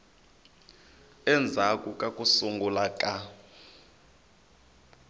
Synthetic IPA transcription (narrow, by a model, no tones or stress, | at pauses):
ɛnd͡zʱakʼukʼakʼusuŋɡʱulakʼa